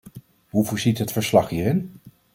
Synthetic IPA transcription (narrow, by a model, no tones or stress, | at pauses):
ɦuvoːɹzitɦətfəɹslɑχɦiːrɪn